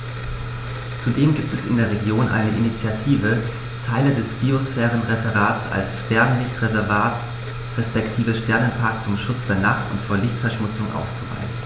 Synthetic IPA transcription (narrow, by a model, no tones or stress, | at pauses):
t͡sudeːmɡiːp̚tɛsɪ̰ndeːɐʁ̞eɡjoːnʔa̰ɪnəʔinit͡sjatʰiːvə | tʰaɪlədɛsb̥iosfɛːʁ̞ənʁefɛʁaːtsa̰lsʃtɛɐnəlɪçtʁezɛɐvaːt | ʁɛspɛktʰiːvəʃtɛɐnənpʰaɐk̚t͡sʊmʃʊt͡sd̥eːɐnaχtʊ̰ntfoːɐlɪçtfɛɐʃmʊt͡sʊŋʔa̰ʊst͡suva̰ɪən